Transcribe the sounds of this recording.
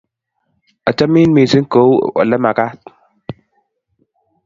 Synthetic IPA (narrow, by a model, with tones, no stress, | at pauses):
ə˨t͡ʃa˦mi˦nmi˨si˦ŋ˦ko˨˦w̰ə̰˨lə˦ma˨ka˦t̪̚